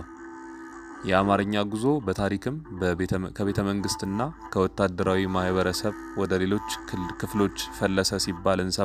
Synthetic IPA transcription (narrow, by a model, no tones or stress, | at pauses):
jɛamaɾɨɲːaɡuzo̞bət̪ʰaɾikʰɨm | kʰəβe̞t̪ʰəməŋɡɨst̪ɨnːakʰəwɔt̪ːad̪ːəɾawimahβəɾəsəβ | wɔd̪əle̞lo̞t͡ʃːkʰɨflo̞t͡ʃːfəlːəsəsibːalɨnsə